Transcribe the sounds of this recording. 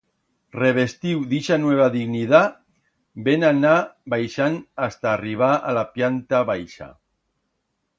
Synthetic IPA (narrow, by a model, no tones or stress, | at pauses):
reβ̞est̪iwðiʃanweβ̞aðiɣniða | benanabajʃanast̪aːriβ̞aalapjant̪aβajʃa̰